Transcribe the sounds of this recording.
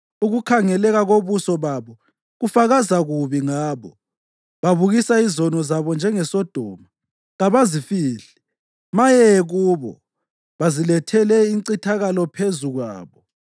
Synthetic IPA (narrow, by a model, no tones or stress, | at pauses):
uɣukʰaŋɛlɛɣaɣoβusɔβaβɔ | ɣufaɣazaɣuβiŋaːβɔ | βaβuɣisaizɔnɔzaβɔnd͡ʒʱɛŋɛsɔd̥ʱɔ̰ːma | ɣaβazifiːɬɛ̥ | majɛɣuːβɔ̰ | βazilɛtʰɛlɛiǀitʰaɣalɔpʰezuɣwa̰ːβɔ